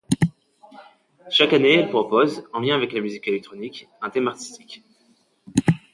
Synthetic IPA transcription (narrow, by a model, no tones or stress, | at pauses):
ʃakanelpχɔpozɑ̃ljɛ̃avɛklamyzikelɛk̚t̪χɔnik | ɛ̃t̪ɛmaʁt̪i̥st̪ik